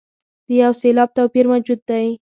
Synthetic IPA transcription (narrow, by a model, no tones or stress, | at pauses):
d̪̥əjawselɑb̚t̪awpiɾmad͡ʒʊd̪̚ːaj